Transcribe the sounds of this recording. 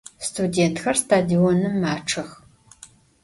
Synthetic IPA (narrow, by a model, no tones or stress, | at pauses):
stʰudeːntʰxɐrstʰaːdionɨmːaːʈ͡ʂʰɐx